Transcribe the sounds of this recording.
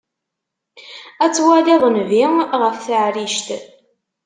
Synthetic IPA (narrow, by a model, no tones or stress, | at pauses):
æt͡sːwæliðˤnviʁəfθəʕɾiʃt̪